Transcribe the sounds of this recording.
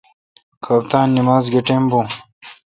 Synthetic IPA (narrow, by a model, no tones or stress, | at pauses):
kʰɐpt̪aːnːimaːzɡeʈembu